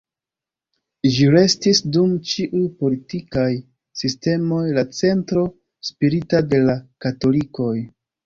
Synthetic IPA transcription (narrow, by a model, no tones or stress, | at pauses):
ʒiɾe̞stisdumt͡ʃiʔujpo̞litikaj | siste̞mo̞jlat͡se̞ntɾo̞ | spiɾitade̞lakato̞liko̞j